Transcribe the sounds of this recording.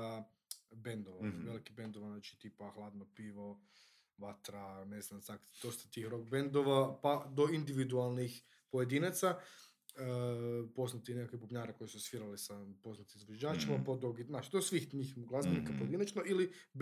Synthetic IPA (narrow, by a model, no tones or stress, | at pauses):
bend̪oʋaʋelikibe̞nd̪oʋanaːt͡ʃi̥t̪iːpaxlˠaːd̪nopiːʋo | ʋat̪ɾaneznamsakd̪o̞st̪ḁt̪iːxɾo̞k̚bend̪oʋapad̪o̞ind̪iʋid̪ualˠnix | pojed̪inat̪sa | əpo̞znat̪inekakibubɲaːɾeko̞jisusʋiɾalisapo̞znat̪imizʋed͡ʒaːt͡ʃimapod̪uɡiznaːt͡ʃid̪osʋixɲixmuɡlazbenikapojed̪inat͡ʃnoili